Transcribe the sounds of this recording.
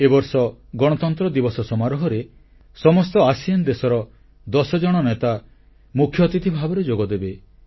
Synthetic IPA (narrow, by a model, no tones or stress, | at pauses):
ebɔɾsɔɡɔɽ̃ɔt̪ɔnt̪ɾɔd̪ibɔsɔsɔmaɾɔɦɔɾe | sɔmɔst̪ɔasijand̪esɔɾɔ | d̪ɔsɔd͡ʒɔɽ̃ɔnet̪a | mukʰːjɔt̪it̪ʰibʱabɔɾed͡ʒoɡɔd̪ebe